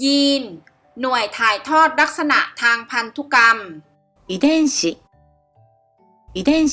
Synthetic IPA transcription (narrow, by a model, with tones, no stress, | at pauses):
jiː˧nː | u˨˩əjt̪ʰaː˨˩˦jt̪ʰɔː˥˩t̪̚la˦˥k̚sa˧na˨˩ʔt̪ʰaː˧ŋpʰa˧nt̪ʰu˦˥ka˧m | i˨d̪e˥nɕi˨ | i˨˧d̪e˥˨n